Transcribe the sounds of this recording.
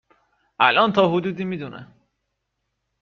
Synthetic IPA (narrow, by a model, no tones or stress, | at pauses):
ʔæ̰lʔɒːnt̪ʰɒːhod̪uːd̪iːmiːd̪unʔḛ